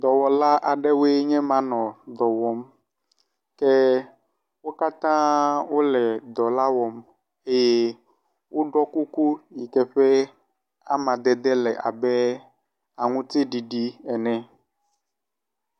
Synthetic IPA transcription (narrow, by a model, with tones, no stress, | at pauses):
d̪ɔ˨wɔ˨la˦ʔa˨ɖɛ˦we˦ɲɛ̃˦mã˨nɔ̃˨d̪ɔ˨wɔ˨m | kɛ˦ | wo˦ka˦t̪ã˦wo˦lɛ˨d̪ɔ˨la˦wɔ˨m | e˦je˦ | wʔo˦ɖɔ˦ku˦ku˦ji˨kɛ˦ɸɛ˦ | a̰˦mã˨d̪ɛ˨d̪ɛ˦lɛ˨ʔa̰˨bɛ˦ | a˨ŋũ˦t̪e˦ɖi˨ɖi˦ɛ˨nɛ̃˨